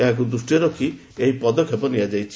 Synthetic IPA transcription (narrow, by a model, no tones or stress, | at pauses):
eɦãk̬ud̪ɾusʈijɔɾɔkʰi | eɦipɔd̪ɔkʰjɔpɔnijad͡ʒajt͡ʃʰi